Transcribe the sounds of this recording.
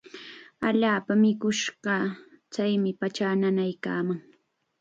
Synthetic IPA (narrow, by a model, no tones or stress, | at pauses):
aʎaːpamɪkʊʃɢɑt͡sajmɪpat͡ʃananajka̰ːmaŋ